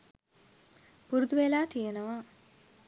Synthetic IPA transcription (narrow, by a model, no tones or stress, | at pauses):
puɾud̪uʋelaːt̪ijenəʋa